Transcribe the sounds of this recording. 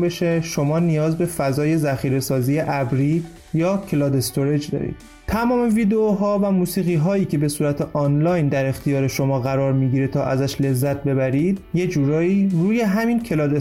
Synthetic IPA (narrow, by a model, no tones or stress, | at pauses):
beʃeʃo̞mɒːnijɒːzbe̞fæzɒːje̞zæxiːɾe̞sɒːziːjeʔæbɾiː | jɒːcʰelɒːd̪e̞st̪ʰoɾed͡ʒd̪ɒ̰ːɾḭːd̪̥ | t̪ʰæmɒːme̞viːd̪eoɦɒːvæmuːsiːɣiːɦɒːiːcʰe̞be̞suːɾæt̪ʰe̞ʔɒːnlɒːjnd̪æɾe̞xt̪ʰijɒːɾe̞ʃo̞mɒːɣæɾɒːɾmiɟiɾet̪ʰɒːʔæzæʃle̞zːæt̪̚ʰbe̞bæɾiːd̪̥je̞d͡ʒuːɾɒːiːruːje̞ɦæmiːncʰe̞lɒːd̪e